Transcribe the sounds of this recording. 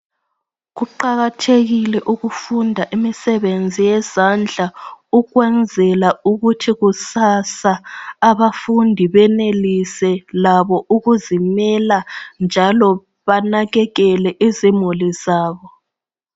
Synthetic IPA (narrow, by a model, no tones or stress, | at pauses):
ɣuǃaɣatʰeɣilɛʔuɣufundʱaʔimisɛβend͡zʱijɛz̥and͡ɮʱauɣwɛnd͡zʱɛlauɣutʰiɣusasaːβafundʱiβɛnelisɛlaβɔʔuɣuzimɛland͡ʒʱalɔ | βanaɣɛɣɛlɛʔizimulizaːβɔ